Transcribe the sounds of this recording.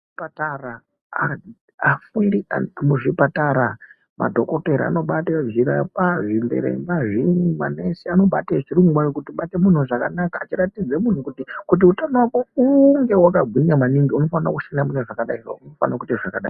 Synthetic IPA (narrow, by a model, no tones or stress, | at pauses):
ipatara | a | afundia̰muʐipataɾa | ma̰dʱo̞ko̞teɾia̰no̞ɓateviɾapaʐimbḛɾḛmbaʐinma̰nesiano̞ɓa̰teʐiɾuŋɡwaokutiɓatemun̤uʐaka̰naka̰ːt͡ʃiɾatid͡zemun̤ukutikut̬iutanowakouŋɡe̞wakaɡʱwiɲamaniŋɡiuno̞fanara̰kuʃanamuneʐakaɗaia̰unofa̰nakuteʐakaɗa̰i